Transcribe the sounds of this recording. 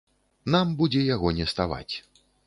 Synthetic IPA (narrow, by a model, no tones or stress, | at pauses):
nambud͡zʲɛjaɣɔnʲɛst̪ava̰t͡sʲ